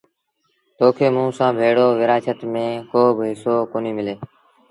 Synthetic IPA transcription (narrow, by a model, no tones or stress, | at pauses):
t̪oːkʰeːmũːsãːbʱeːɽoːʋɪɾaːt͡ʃət̪mẽːkoːbʱɦɪsoːkoːniːmɪleː